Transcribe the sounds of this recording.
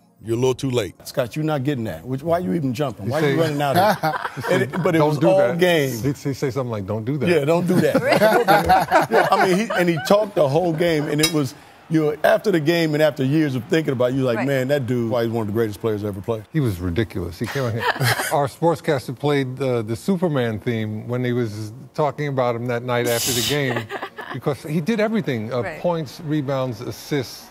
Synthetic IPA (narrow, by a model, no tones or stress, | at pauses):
jəlʊtʰuleɪt̚skɑt͡ʃjɨ˞nət̚ɡ̥ɛɾɪ̃ŋðɨ̰t̚wɨt͡ʃwaɪjɨiṽn̩d͡ʒʌ̃mpɪ̃ŋwaɪɨɹʌ̃nɪ̃ŋaʊɾ | ɨ̃bʌɾɨt̚õʌdˠɡẽɪ̃mziiseɪsʌ̃mθɪ̃ŋlaɪk̚dõʊ̃nd̥ɨðjædõʊ̃nd̥ɨðæt̚ | jæaɪmĩniɨ̃nitʰɔk̚t̚ðəɦoʊlˠɡẽɪ̃mɨ̃nɨt̚wʌz | jɨnoʊæftə˞ðɨɡẽɪ̃mɨ̃ɾ̃æftə˞jɪɹzʌv̥θɪ̃ŋk̬ɪ̃ŋəbaʊt͡ʃɨlaɪk̚mæ̃nðɨt̚d̥ɨwaɪzwʌ̃nʌvðəɨɡɹeɪɾɨspʰl̥eɪə˞zɛvə˞pʰl̥eɪ̥hiwʌzɹɨdɪkjl̩ˠə̰shikʰẽɪ̃mkəə˞spɔɹtskʰæstə˞pʰl̥eɪd̪̚ðɨsupə˞mæ̃nθĩmwə̃niwʌztʰɔkɪ̃ŋɨbaʊt̚ɨ̃mðɨtⁿnaɪɾæftə˞ðɨɡẽɪ̃mb̥ɨkʰʌz̥hidɨɾɛvɹiθɪ̃ŋʌpʰɔ̃ɪ̃ntsɹibãʊ̃ndzɨsɪst